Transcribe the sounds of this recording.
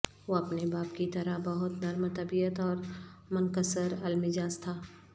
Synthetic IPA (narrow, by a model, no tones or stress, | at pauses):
ʋoɐpnebaːpkit̪ɐɾəɦbɐɦʊt̪nɐɾmt̪ɐbijət̪ɔːɾmʊnkəsəɾɐlmɪd͡ʒaːst̪ʰaː